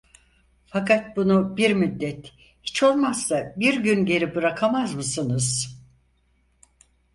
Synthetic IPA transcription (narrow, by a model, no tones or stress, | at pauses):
fakʰat̪̚bunubiɾmyd̪ːɛt̪ | hi̥t͡ʃʰo̞lˠmasːabiɾɟynɟe̞ɾibɯɾakʰamazmɯsɯnɯz̥